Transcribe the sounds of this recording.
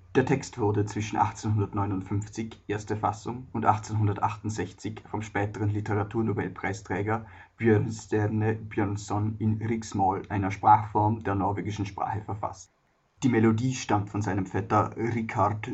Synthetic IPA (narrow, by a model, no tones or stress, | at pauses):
d̥eːɐtʰɛkstv̥ʊɐdət͡sv̥ɪʃn̩ʔa̰χt͡senhʊndɐtnɔʏnʊntfʏmft͡sɪçʔeːɐstəfasʊŋʊntʔa̰χt͡senɦʊndɐtʔaχtʊntz̥ɛçt͡sɪçfɔmʃpɛːtəʁənlɪtəʁatʰuːɐnuvɛ̰lpʁ̥aɪstʁ̥ɛːɡɐ | b̥jœɐnstɛnəb̥jœnsɔnɪnʁɪksmɔlʔaɪnɐʃpʁ̥aːχfɔɐmdeːɐnɔɐveːɡɪʃn̩ʃpʁ̥a̰ːχəfɛɐfa̰st | d̥iːmelodiːʃtamtfɔnzaɪnəmfɛtɐʁɪkaʁt